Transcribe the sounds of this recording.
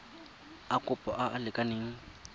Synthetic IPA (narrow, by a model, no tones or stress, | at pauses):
akʼʊpʼɔʔaʔːlɪkʼaneːŋ̩